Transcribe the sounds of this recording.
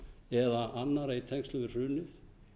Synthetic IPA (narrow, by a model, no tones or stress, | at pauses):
ɛðaʔanːaɾait̪ʰɛŋstlʏɣʏ̥r̥ʏːnʏθ